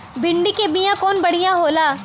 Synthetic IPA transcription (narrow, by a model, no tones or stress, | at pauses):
bɪɳɖiːkeːbɪjãːkoːnbəɽɪjãːɦoːlaː